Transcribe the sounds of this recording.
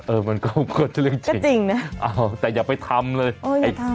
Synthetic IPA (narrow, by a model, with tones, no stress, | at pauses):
ʔəː˧mə˧nkɔː˧ku˧ət̪̚lɨ˧əŋt͡ɕŋt͡ɕi˨˧˩ŋna˦˥ʔɔː˩t̪ɛː˨˩jaː˨˩pa˧jt̪ʰa˧mləː˧jʔoː˧˩ja˧t̪ʰa˧